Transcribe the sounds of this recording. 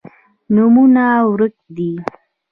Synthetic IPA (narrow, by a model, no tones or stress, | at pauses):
numunawɾək̚d̪i